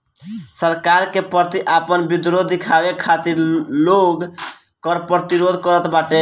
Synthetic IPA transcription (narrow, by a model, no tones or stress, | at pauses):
səɾkaɾkepəɾt̪iʔapənbid̪ɾod̪ikʰabekʰːat̪iɾloɡ | kəɾpɾət̪iɾod̪ʱkəɾət̪baʈe